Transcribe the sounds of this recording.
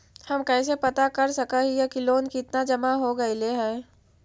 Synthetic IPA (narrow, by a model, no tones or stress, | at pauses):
hɐmkɛːs̬epɐt̪akɐɾsɐkaɦijekiloːnkɪt̪nad͡ʒɐmaɦoɡɐileɦɛː